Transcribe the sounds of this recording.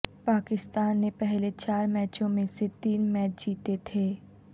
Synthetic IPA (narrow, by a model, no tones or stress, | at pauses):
paːkɪst̪aːnːepɛɦlet͡ʃaːɾmɛːt͡ʃõmẽset̪iːnmɛːt͡ʃd͡ʒiːt̪et̪ʰeː